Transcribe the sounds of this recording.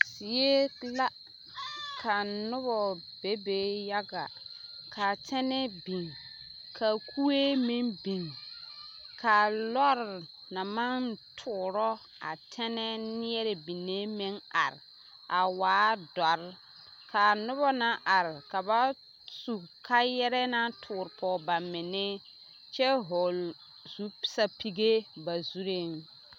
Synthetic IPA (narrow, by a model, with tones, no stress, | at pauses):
sɪ˨je˦la˦ | kʰa˨nʊ˦βɔ˨be˦be˦ja˦ɡa˨kʰa˨tʰɛ˦nɛ˦bi˨ŋ | kʰa˨kʰu˦e˦mi˦nbi˨ŋ | kʰa˨lɔ˦ɾna˨mã˦n˦tʰʊː˨ɾɔ˦ | a̰˨tʰɛ˦nɛ˦nɪ˦ɛ˦ɾe˨bi˨ne˦mɪ˦ŋa̰˨ɾ | a˨waː˨˦dɔ˨ɾ | kʰa˨nʊ˦bɔ˦na˦ʔa˨ɾɪ˨ka˨ba˦ | su˨kʰa˦jɛ˦ɾɛ˦na˦tʰʊː˨ɾpʰɔ˨ba˨mɪ˨nɪ˦ | t͡ʃɛ˦ɦɔ˨l | z̥u˦pɪ̥˦sa˦pʰi˦ɡe˦ba˨zu˦ɾe˦ŋ